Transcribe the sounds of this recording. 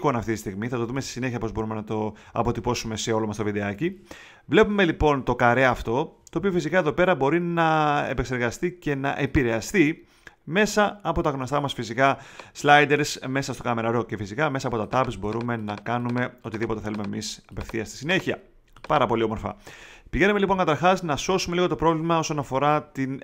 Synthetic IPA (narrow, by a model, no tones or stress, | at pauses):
konɐft̪it̪ist̪iɣmiθɐt̪o̞ðumest̪i̥sine̞çiɐpo̞zbo̞ɾume̞nɐt̪o̞ | ɐ̰po̞t̪ipo̞sume̞se̞o̞lo̞mɐst̪ovid̪e̞ɐci | vle̞pume̞lipo̞nt̪o̞kɐɾe̞ɐft̪o̞t̪oːpio̞fisikɐe̞ðo̞pe̞ɾɐbo̞ɾinɐe̞̰pekse̞ɾɣɐst̪ice̞nɐ̰ʔe̞piɾe̞ɐst̪i | me̞sɐːpo̞t̪ɐɣnost̪ɐmɐsfisikɐslɐjd̪e̞ɾsme̞sɐst̪o̞kɐme̞ɾɐɾo̞cefisikɐme̞sɐːpo̞t̪ɐt̪ɐpizbo̞ɾume̞nɐkɐnume̞o̞t̪iðipo̞t̪e̞θe̞lumemisɐpe̞fθiɐst̪i̥sine̞çiɐ | pɐɾɐpo̞lio̞mo̞ɾfɐ̰piʝe̞numelipo̞ŋkɐt̪ɐɾxɐznɐso̞sume̞liɣo̞t̪o̞pɾo̞vlimɐo̞so̞nɐfo̞ɾɐt̪in